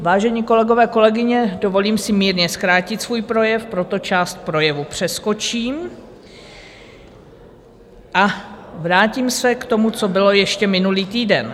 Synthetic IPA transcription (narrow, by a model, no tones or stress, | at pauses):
vaːʒɛɲiːko̞lɛɡo̞vɛːko̞lɛɡɪɲɛdo̞vo̞liːmsɪmiːɾɲɛskɾaːcɪt̪svuːjpɾo̞jɛfpɾo̞t̪o̞t͡ʃaːst̪̚pɾo̞jɛvupr̝̥ɛsko̞t͡ʃiːm | ʔavɾaːciːmsɛkt̪o̞mut͡so̞bɪlo̞jɛʃcɛmɪnuliːt̪iːdɛn